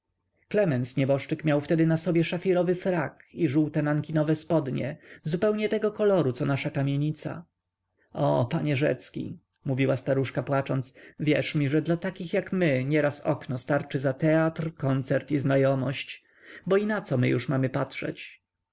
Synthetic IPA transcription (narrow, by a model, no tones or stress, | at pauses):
klɛmɛnt̪sɲɛbɔʂt͡ʂɘkmʲjawft̪ɛd̪ɘnasɔbʲjɛʂafʲiɾɔvɘfɾakiʐuwt̪ɛnaŋkʲinɔvɛspɔd̪ɲɛ̰zupɛwɲɛt̪ɛɡɔkɔlɔɾusɔnaʂakamʲjeɲit̪sa̰ | ɔpaɲɛʐɛ̰t̪skʲḭ | muvʲiwast̪aɾuʂkapwat͡ʂɔnt̪svʲjɛʂmʲiʐɛd̪lat̪akʲixjakmɘɲɛɾasɔ̰knɔst̪aɾt͡ʂɘzat̪ɛat̪ɾkɔnt̪sɛɾt̪iznajɔmɔɕt͡ɕ | bɔinat̪sɔmɘ̰jṵʂmamɘpatʂɛ̰t͡ɕ